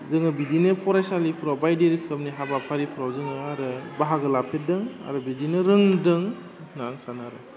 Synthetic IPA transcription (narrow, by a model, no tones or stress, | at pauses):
zɯŋɯbidinɯpʰɔɾajsalipʰuɾawbajdeɾikʰɯm̚niɦabapʰaɾipʰuɾawzɯŋɯaɾɯbaɦaɡɯlapʰet̚dɯŋa̰ɾɯbidinɯɾɯŋdɯŋ | naːŋsanaɾɯ